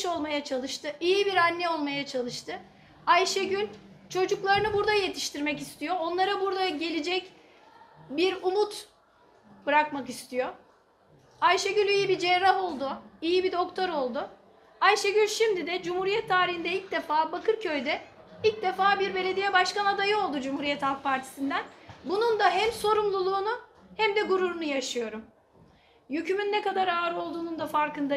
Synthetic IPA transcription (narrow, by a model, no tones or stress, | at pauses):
ʃo̞lˠmajat͡ʃʰalˠɯʃt̪ɯʔijibiɾanːɛo̞lˠmajat͡ʃʰalˠɯʃt̪ʰɯ | ajʃɛɟylʲt͡ʃʰo̞d͡ʒuklˠaɾɯnɯbuɾd̪aje̞t̪ʰi̥ʃt̪ʰiɾmɛcist̪ʰijo̞o̞nlˠaɾabuɾd̪aɟe̞lʲed͡ʒɛc | biɾumut̪ | bɯɾakmakist̪ʰijo̞ | ajʃɛɟylʲijibid͡ʒɛɾːaɦo̞lˠd̪ʊijibid̪o̞kt̪ʰo̞ɾo̞lˠd̪ʊ | ajʃeɟylʲʃimd̪id̪ɛd͡ʒumhuɾijɛt̪ʰːaːɾihind̪ɛilʲc̚d̪efaːbakʰɯɾcʰø̞jd̪ɛilʲc̚d̪efaːbiɾbe̞lʲe̞d̪ijɛbaʃkanad̪ajɯo̞lˠd̪ud͡ʒumhuɾijɛt̪halˠk̚pʰaɾt̪ʰi̥sind̪ænbunund̪aɦɛmso̞ɾumlˠulˠuːnu | hɛmd̪ɛɡuɾuɾunujaʃɯjo̞ɾum | jycʰymynːɛkad̪aɾaːɾo̞lˠd̪uːnund̪afaɾkɯnd̪a